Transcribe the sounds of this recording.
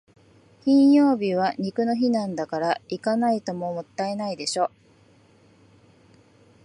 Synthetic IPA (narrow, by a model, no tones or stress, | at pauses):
kʲĩɰ̃jo̞ːbʲiβaɲ̟ikɯ̟no̞çinãnd̪akaɾaikanait̪o̞mo̞mo̞t̪ːaenaid̪e̞ɕo̞ː